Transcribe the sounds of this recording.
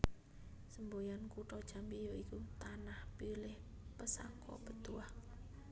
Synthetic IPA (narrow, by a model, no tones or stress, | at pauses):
səmbojankuʈɔd̥ʒ̥a̤mbijoikut̪anahpilɪh | pəsa̰kɔ̰b̥əd̪̥uah